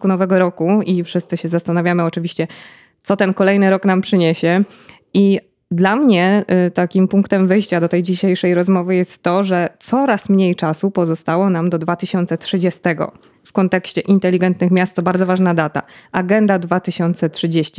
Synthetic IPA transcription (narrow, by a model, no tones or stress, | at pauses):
kunɔvɛɡɔɾɔkuifʂɘst̪sɘɕɛzast̪anavʲjamɘɔt͡ʂɘvʲiɕt͡ɕɛ | t̪sɔt̪ɛnkɔlɛjnɘɾɔknampʂɘɲeɕɛ | i | d̪lamɲɛt̪akʲimpuŋkt̪ɛmvɘjɕt͡ɕad̪ɔt̪ɛjd͡ʑiɕejʂɛjɾɔzmɔvɘjɛst̪ːɔʐɛt̪sɔɾasmɲejt͡ʂasupɔzɔst̪awɔnamd̪ɔd̪vat̪ɘɕɔnt̪sɛtʂɘd͡ʑɛst̪ɛɡɔ̰ | fkɔnt̪ɛkɕt͡ɕɛʔint̪ɛlʲiɡɛnt̪nɘxmʲjast̪̚t̪ɔbaɾd̪ɔvaʐnad̪at̪a̰aɡɛnd̪ad̪vat̪ɘɕɔnt̪sɛtʂɘd͡ʑeɕt͡ɕi